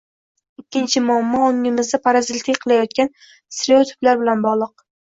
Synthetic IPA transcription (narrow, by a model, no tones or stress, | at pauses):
ɪkʲʰːɪnt͡ʃʰɪmʊamːɒoŋɪmɪzd̪apʰaɾazɪlt̪ʰɪkʲqʰɨlˠajɒt̪̚kʲan | sɪɾeot̪ʰʊ̥plaɾbɪlanbɒʁlˠɨq̚